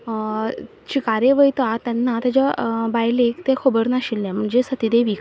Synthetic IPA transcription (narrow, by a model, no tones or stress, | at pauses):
t͡ɕikaɾeʋəjt̪at̪ɛnːat̪ad͡ʑabajlekt̪ekʰobəɾnaɕilːɛ̃m̤əɳd͡ʑesət̪id̪eʋik